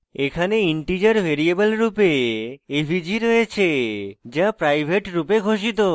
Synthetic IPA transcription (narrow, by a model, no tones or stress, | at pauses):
ekʰaneiɳʈid͡ʑaɾbʱeɾiebelɾupeebʱid͡ʑiɾojet͡ɕʰed͡ʑapɾajbʱeʈɾupeɡʱoʃ̬it̪o